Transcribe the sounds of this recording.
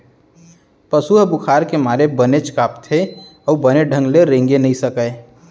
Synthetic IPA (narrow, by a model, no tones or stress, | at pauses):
pəsuɦbʊkʰaːɾkemaːɾebənet͡ʃkaːpt̪ʰeɔːbəneɖʱə̃ŋɡleɾẽːŋɡenəĩsəkəe